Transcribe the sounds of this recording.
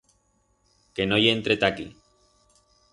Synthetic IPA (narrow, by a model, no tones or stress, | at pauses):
kenojent̪ɾet̪akḭ